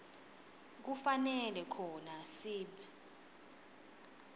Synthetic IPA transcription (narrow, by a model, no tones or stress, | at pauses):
k̬ufanɛlɛkʰɔnasiːɓi